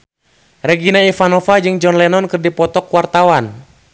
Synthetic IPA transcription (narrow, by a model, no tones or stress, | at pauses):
rɛɡinaifanɔfad͡ʒɨŋd͡ʒɔnlɛnɔnkɨrdipɔt̪ɔkwart̪awan